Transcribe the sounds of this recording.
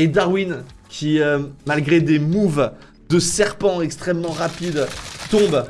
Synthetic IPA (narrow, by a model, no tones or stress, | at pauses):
ed̪aʁwin | kʲʰiømalɡʁed̪emuv | d̪əsɛʁpɑ̃ɛkst̪χɛmːɑ̃ʁapid̪t̪ɔ̃b